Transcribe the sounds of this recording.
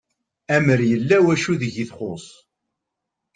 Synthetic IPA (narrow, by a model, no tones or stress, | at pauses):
æməɾjəlːæwæʃuðəʝiθχosˤ